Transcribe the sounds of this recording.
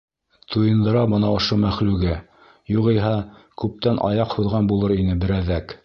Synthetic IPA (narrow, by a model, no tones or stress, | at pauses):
t̪ʰujɤ̆nd̪ɤ̆ɾɑbɤnɑŏʃomæχlʉɡæ | juʁijɦɑkʉp̚t̪ænʔɑ̰jɑqhuðʁɑnbulˠɤɾinɘbɘ̆ɾæðæk